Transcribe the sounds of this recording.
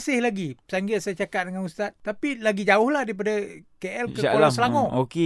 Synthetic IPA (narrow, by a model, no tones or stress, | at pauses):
sɪhlaɡipsaŋɡɪt̪̚sajat͡ʃakat̪̚dəŋanust̪at̪̚ːapilaɡid͡ʒaʊhladaip̬adakeʔɛlkəaolasəlaŋɔ̃oke